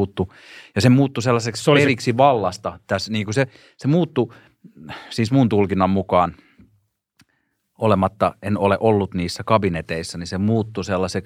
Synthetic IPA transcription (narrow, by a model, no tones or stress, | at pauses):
t̪ːu | jɑsemuːt̪ːuselːɑsekseriksiʋɑlːɑst̪ɑt̪æsniːŋkuse | semuːt̪ːu | siːsmunt̪ulkinːɑmmukɑːn | olemɑt̪ːɑʔenoleʔolːut̪niːsːækɑbinet̪eisːɑnisemuːt̪ːuselːɑsek